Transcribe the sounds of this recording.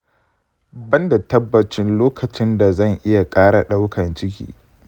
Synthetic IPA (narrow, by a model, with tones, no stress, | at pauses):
bɐ˦nda˨tɐ˦bːɐ˨t͡ʃɪ˦nloː˦kʰɐ˨t͡ʃɪ˦nda˨zɐ˦˨ŋʔɪ˦ja˨kʼaː˦ɽa˨ɗa˦wkʰɐ˨nt͡ʃɪ˦k̬ʲḭː˦